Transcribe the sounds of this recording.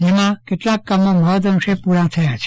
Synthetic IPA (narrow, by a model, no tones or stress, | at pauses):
d͡ʒemãkeʈlãkːamːoməɦod̪ənʃepuɾãt̪ʰəjat͡ʃʰe